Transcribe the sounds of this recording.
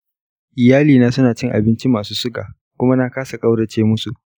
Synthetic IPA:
ʔɪ˨jaː˦liː˨naː˦sʊ˦naː˨t͡ʃɪ˦ŋʔa˨bɪ˦nt͡ʃi˦maː˨suː˦sʊ˦ɡa̰ː˨ | kʷʊ˦ma˦na˦kaː˦sa˨kʼa˦wɽɐ˨t͡ʃeː˦mʊ˦su˨ʔ

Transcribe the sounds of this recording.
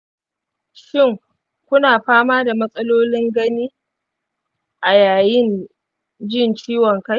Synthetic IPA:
ʃɪ˦˨ŋ | kʷʊ˦naː˨ɸaː˦maː˦da˨mɐ˦sʼɐ˦loː˦lɪ˦ŋɡɐ˦niː˦ | ʔa˨jaː˨jɪ˦n | d͡ʒɪ˦nt͡ʃiː˦wɔ˨ŋka˦j

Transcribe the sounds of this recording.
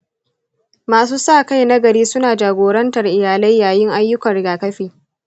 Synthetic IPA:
maː˨s̬uː˦saː˦˨ka˦jnɐ˦ɡɐ˨ɾiː˦sʊ˦naː˨d͡ʒaː˨ɡʷoː˨ɾɐ˦ntɐ˨rʔɪ˨jaː˨la˦jːaː˨jɪ˦ŋʔa˦jːʊ˦kɐ˨ɽɪ˨ɡaː˨kɐ˦ɸiː˨

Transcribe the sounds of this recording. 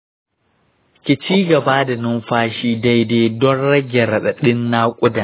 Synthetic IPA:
kʲɪ˨t͡ʃiː˦ɡɐ˨baː˦da˨nʊ˦mɸaː˦ʃiː˦da˦jdeː˦dɔ˦nɽɐ˦ɡʲɛ˨ɾɐ˨ɗɐ˨ɗɪ˦nːa˦kʷʼʊ˦da˨

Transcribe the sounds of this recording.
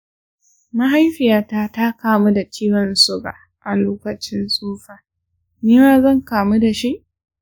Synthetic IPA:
ma˦ɦa˦jɸɪ˨jaː˦taː˦ta˦kaː˨mu˦da˨t͡ʃiː˦wɐ˨nsʊ˦ɡa̰ː˨ | ʔa˨loː˦kɐ˨t͡ʃɪ˦nsʼuː˦ɸaː˨ | niː˦maː˦zɐ˦˨ŋkaː˨mu˦da˨ʃi˦ʔ

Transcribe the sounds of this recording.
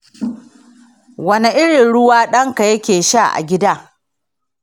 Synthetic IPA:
wɐ˦ne˨ʔɪ˦ɽɪ˨nɽʊ˦waː˦ɗɐ˦ŋka˨jɐ˦kʲeː˨ʃa˦˨ʔa̰˨ɡʲɪ˦daː˦

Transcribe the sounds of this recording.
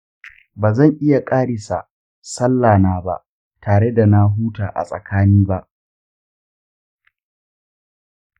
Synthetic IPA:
baː˨zɐ˦˨ŋʔɪ˦ja˨kʼaː˦ɽɪ˨sa̰˨ | sɐ˦lːaː˨naː˨ba̰˦ʔ | tʰaː˨ɽe˦da˨na˦ɦuː˦taː˨ʔa̰˨sʼɐ̰˨kaː˦niː˦ba˦ʔ

